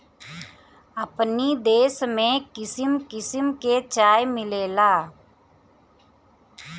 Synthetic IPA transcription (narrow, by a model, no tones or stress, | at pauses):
əpnid̪eːsmẽkɪsɪmkɪsɪmket͡ʃaːjmɪleːlaː